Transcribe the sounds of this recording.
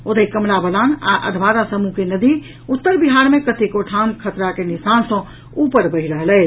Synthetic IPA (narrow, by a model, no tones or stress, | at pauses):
od̪əikəmlabəlana̰ʔə̰d̪ʱʋaɾasəmukenəd̪i | ut̪ːəɾbiɦaɾmekət̪ekoʈʰamkʰət̪ɾakenisansə̃ | upəɾbəɦiɾəɦəlɛɪ